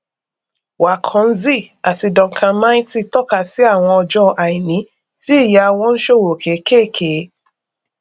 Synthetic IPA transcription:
wa˨kʰɔ̃˨˦n̩˦zi˦˨a˨ti˧dɔ̃˨ŋ̩˨kã˧mãː˦ĩ˦ti˧tɔ˦˨ka˦˨si˨˦a˦˨w̃ɔ̃˧ɔ˧d͡ʒɔ˦ʔa˨i˨nĩ˨˦ | ti˦i˦˨ja˧w̃ɔ̃˧n̩˦ʃo˦˨wo˨kʰe˨˦ke˦˨kʰe˨˦

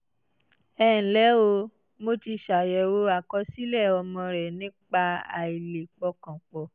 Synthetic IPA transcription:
ɛː˦˨n̩˨lɛ˨˦o˧ | mo˧ti˧ʃa˨jɛ˨wo˧˦a˨kɔ˧si˦lɛ˦˨ɔ˧mɔ̃˧ɾɛ˨nĩ˨˦k͡pa˧a̰˨i˨le˨k͡pɔ˧kã˨k͡pɔ˨

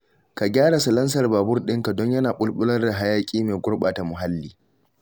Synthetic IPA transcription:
ka˨ɡʲaː˦ɽa˨sɐ˨lɐ˦ns̬ɐ˨rbaː˨bʊ˦rɗɪ˦ŋka˨dɔ˦ɲjɐ˦naː˨ɓʊ˦lɓʊ˦lɐ˦rda˨ɦa˦jaː˦kʲʼiː˦meː˨ɡʷʊ˦rɓaː˨ta˨mʊ˨ɦa˦lːiː˦

